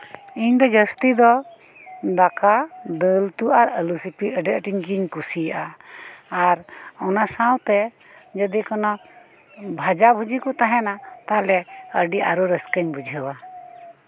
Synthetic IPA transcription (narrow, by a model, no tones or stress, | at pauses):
iɲd̪ɔd͡ʒəst̪id̪ɔ | d̪akad̪əlt̪uʔaɾəlusipiəɖəʔʈiɲɡiɲkusijaʔaː | ɾɔnasawt̪ɛ | d͡ʒəd̪ikɔnɔ | bʱad͡ʒabʱud͡ʒikɔt̪aɦɛnat̪alɛəɖiʔa̰ɾɔɾəskəɲbʱud͡ʒʱəwa